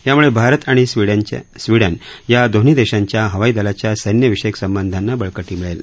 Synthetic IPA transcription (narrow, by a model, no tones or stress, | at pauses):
t̪jamuɭebʱaɾət̪aɽ̃iiɽsʋiɽənjad̪ʱon̤iːd̪eɕaɲt͡ɕjaɦəʋaiːd̪alat͡ɕjasəjnjəʋiʂəjəksəmbənd̪ʱanːabəɭkəʈiːmiɭel